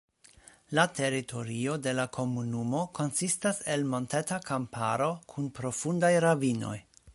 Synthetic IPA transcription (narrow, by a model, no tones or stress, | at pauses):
latʰe̞ɾitʰo̞ɾio̞de̞lakʰo̞munumo̞kʰo̞nsistase̞lmo̞ntetakampʰaɾo̞kʰunpɾo̞fundajɾavino̞̰j